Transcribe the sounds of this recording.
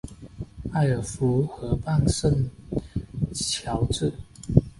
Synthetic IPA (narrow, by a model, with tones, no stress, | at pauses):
a˥˩ɪə˨˩fu˧˥xɤ˧˥pa˥˧ŋʂə˥˩ŋ | t͡ɕʰjɑ˨˧˥ʊt͡sɹɻ̩˥˩